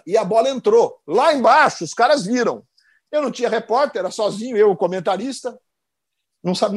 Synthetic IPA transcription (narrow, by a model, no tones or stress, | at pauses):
ɪɐbɔlɐẽnt̪ɾolaẽbaʃʊːskaɾɐzviɾɐ̰̃w̃ | ewnɐ̃w̃t͡ʃĩɲɐhepɔɾt̪ɛɾɐsɔzĩɲʊewʊkomẽnt̪aɾist̪ɐ | nɐ̃w̃sabi